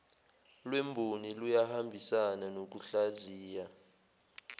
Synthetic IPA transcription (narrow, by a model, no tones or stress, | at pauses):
lwembʱunilujahambʱisananok̬uɬaziːja